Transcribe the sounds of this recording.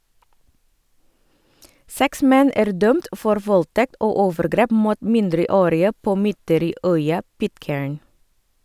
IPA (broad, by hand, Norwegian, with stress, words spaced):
ˈsɛks ˈmɛn ˈæːɾ ˈdœmt ˈfɔɾ ˈʋɔlˌtɛkt ˈoː ˈoːʋəɾˌɡɾeːp ˈmuːt ˈmɪndɾəˌoːɾɪə ˈpoː ˈmʏtəɾiːˌœʏɑ ˈpɪtˌkeːɹn